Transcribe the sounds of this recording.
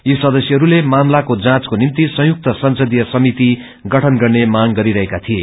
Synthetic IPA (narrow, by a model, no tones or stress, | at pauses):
jisʌd̪ʌsjʌɦʌɾulemamlakod͡zãt͡skonimt̪isʌ̃juk̚t̪ʌsʌnsʌd̪ijʌsʌmit̪i | ɡʌʈʰʌnɡʌrnemaɡɡʌɾiɾʌɦekat̪ʰie